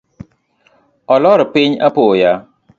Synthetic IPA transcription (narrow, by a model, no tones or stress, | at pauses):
ɔlɔɾpɪɲapoja